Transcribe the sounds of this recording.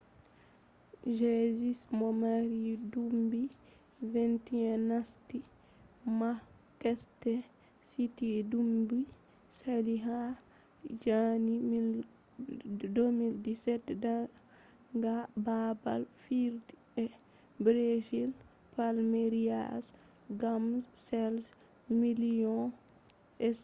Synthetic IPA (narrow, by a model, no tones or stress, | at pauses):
ʒezismɔmaɾidumbi | vɛntiɛnːasti | ma | kɛstɛ | sitidumbi | saliɦa | d͡ʒanim | domildisɛtːda | ŋɡababa̰lfiɾdi | ɛ | bɾezil | palmeɾia̰s | ɡamssɛls | milijɔ̃ | ɛs